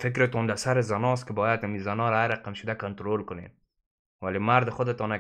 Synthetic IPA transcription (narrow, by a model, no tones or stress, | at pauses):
fɪkɾɪt̪ɔnd̪asaɾɪzanɔs̬t̪̚kɪbɔjad̪amizanɔɾaaɾaqamʃʊd̪akant̪ʊɾolkʊnḛn | walemaɾd̪ɪxʊd̪ɪt̪ɔna